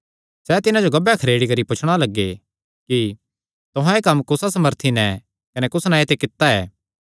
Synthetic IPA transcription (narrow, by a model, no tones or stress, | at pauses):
sɛt̪ɪnãd͡ʒoɡɐbjakʰɐɾeːɽikɐɾipʊt͡ʃʰɽ̃alɐɡːḛ | ki | t̪ʊɦãekɐmːkʊsasɐməɾt̪ʰinɛ | kɐnɛkʊsnaet̪ekɪt̪ːaɛ̰ː